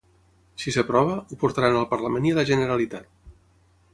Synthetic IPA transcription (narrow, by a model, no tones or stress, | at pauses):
sisəpɾɔβ̞əupuɾt̪aɾanəlˠpəɾləmenialəʒənəɾalit̪at̪̚